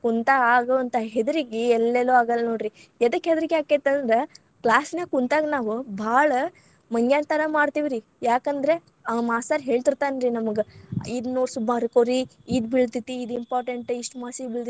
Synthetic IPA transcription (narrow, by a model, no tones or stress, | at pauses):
kunt̪aaːɡoɐnt̪ɐɦed̪ɐɾiɡiɛlːeloaːɡɐlːnoːɖɾi | ɛd̪ɐkːɦed̪ɾiɡjaːket̪ɐnd̪ɾe | klaːsnekunt̪aːɡnaːʋubʱaːɭɐ | mɐŋɡjaːnt̪ɐɾɐmaːɽt̪iʋiɾi | jaːkɐnd̪ɾe̞ | ɐmaːsaːɾɦe̞ːɭt̪iɾt̪aːnɾinɐmɐɡeid̪noːɽsubʱaɐɾkoːɾiid̪biɭt̪it̪ːiːd̪impaːɾʈeɳʈiʂʈmaːsibiɭt̪i